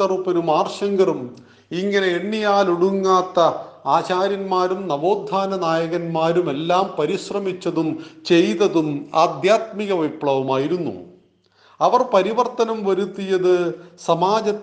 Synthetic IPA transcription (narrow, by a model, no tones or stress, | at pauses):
ɐrupɐɾumaːrʂɐŋɡɐrum | iŋːɐne̞eɳːijaːluɽuŋːaːt̪ːɐaːt͡ɕaːɾjɐnmaːɾumnɐbo̞ːd̪ʱːaːnɐnaːjɐɣɐnmaːɾume̞lːaːmpɐɾiɕrɐmit͡ɕːɐðumt͡ɕe̞jt̪ɐðuma̰ːd̪ʱjaːt̪miɣɐʋipɭɐʋɐmaːjiɾunːṵ | ɐʋɐrpɐɾiʋɐrt̪ɐnɐmʋɐɾut̪ːijɐðɨsɐmaːd͡ʑɐ